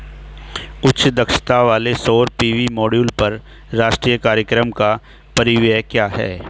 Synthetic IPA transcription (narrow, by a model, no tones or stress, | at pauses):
ʊtːt͡ʃd̪ɐkʃt̪aʋaːlesoːɾpiːʋimɔːɖjuːlpɐɾ | ɾaːʃʈɾiːjəkaːɾjəkɾəmka | pɐɾɪʋjəkjaːɦɛ̰ː